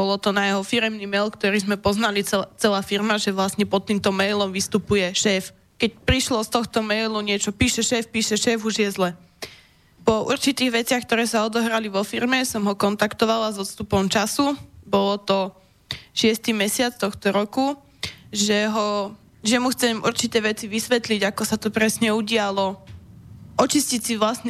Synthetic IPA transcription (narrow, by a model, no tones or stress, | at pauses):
bɔlɔt̪ɔnajɛɦɔfiɾɛmnimɛːlkt̪ɔɾiːzmɛpɔznaliɛt͡sɛlaːfiɾmaʒɛʋlasɲɛpɔt̪ːiːmt̪ɔmɛjlɔmʋist̪upujɛʃɛːf | kɛc̚pɾiʃlɔst̪ɔxt̪ɔmɛjluɲɪɛt͡ʃɔpiːʃɛʃɛːfpiːʃɛʃɛːfuʒjɛzlɛ | pɔʔṵɾt͡ʃit̪iːɣʋɛt͡sɪaxk̚t̪ɔɾɛːsaɔd̪ɔɦɾaliʋɔfiɾmɛsɔmɦɔkɔnt̪akt̪ɔʋalazɔt̪st̪upɔmt͡ʃasubɔlɔt̪ɔ | ʃɪɛst̪imɛsɪat͡st̪ɔxt̪ɔɾɔku | ʒɛɦɔ | ʒɛmuxt͡sɛmʔṵɾt͡ʃit̪ɛːʋɛt͡siʋisʋɛt̪liɟakɔsat̪ɔpɾɛsɲɛuɟɪalɔ | ɔt͡ʃiscisiʋlasɲ